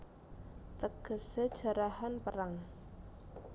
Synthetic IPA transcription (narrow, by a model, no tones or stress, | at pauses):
t̪əɡ̥ə̤sed̥ʒ̥a̤ɾahanpəɾaŋ